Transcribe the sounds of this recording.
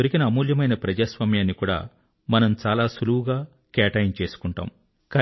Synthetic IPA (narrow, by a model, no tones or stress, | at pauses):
oɾikinɐɐmuːljɐmɐjnɐpɾɐd͡ʒaːsʋaːmjaːnːikuːɽa̰ː | mɐnɐmt͡ʃaːlaːsuluwɡaː | kɛːʈɐjnt͡ʃe̞ːsu̥kuɳʈa̰ːm | kaː